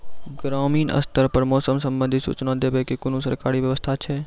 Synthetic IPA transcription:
ɡɾaːmiːnə̰st̪əɾpəɾmɔːsəmsə̃mbə̃nd̪ʱisṵːt͡ʃnad̪ʱeːbekikʊnũsəɾkaːɾiʋjəʋəst̪ʰat͡ʃʰɛː

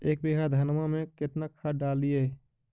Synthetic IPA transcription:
eːk̚beːɦad̪ʱɐnmamẽkɪt̪nakʰaɖaːlie

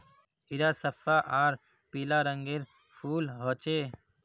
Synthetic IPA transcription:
iɾaːsɐfaːʔãːɾ | piːlaːɾəŋɡeɾ | fuːlɦoːt͡ʃeː

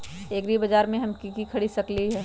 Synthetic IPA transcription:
eːɡɾibɐd͡ʒaːɾmẽɦɐmkikikʰɐɽisɐkliɦɛː

